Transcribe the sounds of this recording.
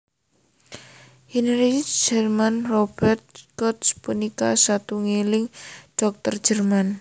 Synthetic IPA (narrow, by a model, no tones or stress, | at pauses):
hinɾid̥d͡ʒərmanrɔb̥ɛrt̪̚kɔt̪spunikasat̪uŋelɪŋɖ̥ɔk̚t̪ərd̥d͡ʒ̥ərman